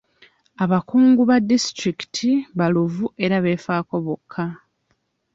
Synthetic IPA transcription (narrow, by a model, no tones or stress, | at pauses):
aβakuːŋɡuβadːistɾiki̥tʰiβaluvuʔe̞ɾaβe̞ːfaːko̞βo̞kʰːa